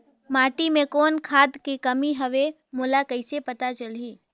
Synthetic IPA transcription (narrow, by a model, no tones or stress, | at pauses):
maːʈimẽkoːnkʰaːd̪kikəmiɦəʋe | moːlakəɪsepət̪at͡ʃəliː